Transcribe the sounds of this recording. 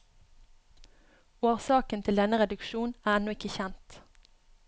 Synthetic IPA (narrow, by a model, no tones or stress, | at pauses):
oːʁsɑːkənt̪ʰɪld̪ɛnəʁɛd̪ʉkʃuːnæːɛnɔɪkəçɛnt̪